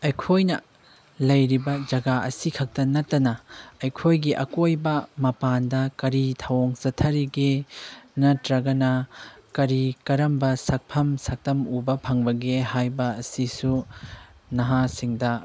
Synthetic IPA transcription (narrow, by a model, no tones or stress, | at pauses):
ɐjkʰojnɐ̰ | lɐjɾibɐd͡ʒɐɡaɐ̰sikʰɐk̚tɐnɐtːɐnɐɐjkʰojɡiʔɐkojbɐmɐpandɐkɐɾitʰɐwoŋsɐtʰɐɾiɡenɐtɾɐɡɐnɐkɐɾikɐɾɐmbɐsɐk̚pʰɐmsɐk̚tɐmubɐpʰɐŋbɐɡehajbɐɐsisu | nɐɦasiŋdɐ